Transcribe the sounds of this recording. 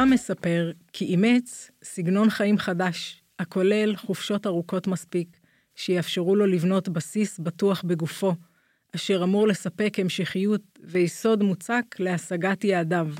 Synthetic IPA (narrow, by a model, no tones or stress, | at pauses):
ame̞sape̞ʁkʰiːmet͡s | siɡno̞nχaimχadaʃ | hakʰo̞le̞lχufʃo̞taʁuko̞tmaspik | ʃejafʃeʁulo̞livno̞tbasisbatuaχbe̞ɡufo̞ | aʃe̞ʁamuʁle̞sape̞khemʃiχijut | vejiso̞dmut͡sakle̞asaɡatjeːdav